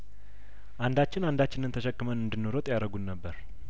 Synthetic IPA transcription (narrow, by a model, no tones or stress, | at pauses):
ʔand̪at͡ʃːɪnand̪at͡ʃːɪnɨnt̪ʰəʃəkːɨmənɨnd̪ɨnːoɾot̪ʼjaɾəɡunːəbːəɾ